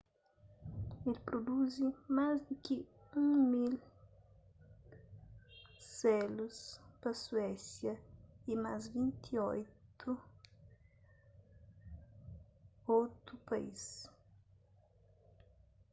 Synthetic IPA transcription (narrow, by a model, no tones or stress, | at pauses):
elpɾod̪uzimazd̪ukɪũŋmil | sɛluspɐswɛsjɐimazvĩnt̪ʰiojt̪ʰu | owt̪ʊpɐḭs